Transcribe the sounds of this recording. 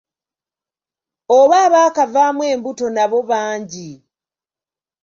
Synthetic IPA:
oβaːβaːkavaːmwe̞ːmbuto̞naβo̞βaːɲɟi

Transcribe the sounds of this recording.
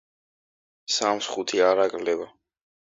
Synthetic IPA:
samsχut̪ʰiaɾakʼlɛva

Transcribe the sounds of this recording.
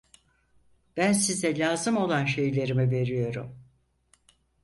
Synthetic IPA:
b̥ænsizɛlʲaːzɯmo̞lˠanʃe̞jlʲe̞ɾimive̞ɾijo̞ɾṵm

